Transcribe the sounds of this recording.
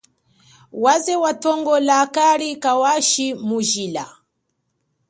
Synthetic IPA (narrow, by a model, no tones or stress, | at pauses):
wazɛwatɔŋɡɔlakaɾikawaʃimuʒila̰